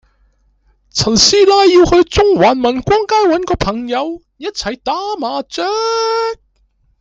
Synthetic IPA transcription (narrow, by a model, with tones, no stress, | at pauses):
t͡sʰɐ˨˩nsiː˥laː˧jːiː˧whɵ˧ɥt͡sʊ˥ŋwaː˨nmɐ˨˩nkʷɔː˥ŋkaː˥jwɐ˨˥nkɔː˧pʰɐ˨˩ŋjɐ˨˧w | jɐ˥t̚t͡sʰɐ˨jt̪aː˨˥maː˨˧t͡sœː˥k̚